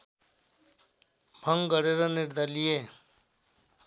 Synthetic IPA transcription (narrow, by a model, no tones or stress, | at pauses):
bʱʌŋɡɡʌɾeɾʌnɪɾd̪ʱəɾlije